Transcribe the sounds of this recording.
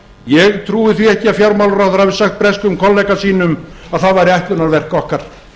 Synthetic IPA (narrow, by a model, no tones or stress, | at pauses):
jɛɣt̪ʰɾuːɪθviɛhcɪafjawɾmawlɾawθaɾ̥havɪsaxt̪̚pɾɛskʏmkʰɔlɛjkasiːnʏmaðθaðvajɾɪaht̪lʏnaɾvɛr̥kɔhkaɾ̥